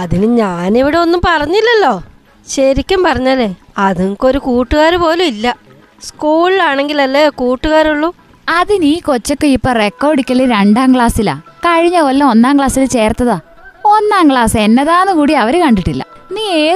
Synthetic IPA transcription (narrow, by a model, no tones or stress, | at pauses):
ɐðinɨɲaːneʋiɽeo̞nːumpɐrɐɲːilːɐlːo̞ː | ɕɐɾikʲːumpɐrɐɲːaːlːe | ɐðuŋko̞ɾukuːʈːuɣaːɾupo̞ːluilːɐ | skuːɭlaːɳe̞ŋɡilɐlːeːkuːʈːuɣaːɾuɭːu | ɐðiniːko̞t͡ɕːɐkːɨipːoːre̞kːo̞ːɖikʲːɐɭːiɾeɳɖaːmkɭaːsila̰kɐɻiɲːɐolːɐonːaːŋkɭaːsilt͡ɕe̞ːrt̪ːɐðaː | o̞nːaːmkɭaːse̞nːɐðaːnɨkuːɽiɐʋɐɾɨkɐɳɖiʈːilːɐ̰niːeː